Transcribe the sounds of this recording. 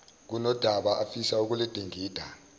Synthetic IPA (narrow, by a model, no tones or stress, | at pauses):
k̬unɔd̥ʱaɓaʔafisauk̬ulid̥ʱeŋʱiːd̥ʱa